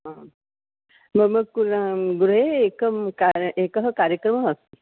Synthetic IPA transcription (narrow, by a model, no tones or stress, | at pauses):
ɦã | məɡməɡ̚kuɡuɾeekəkaɾʔekəɦəkaɾjəkɾəməəst̪e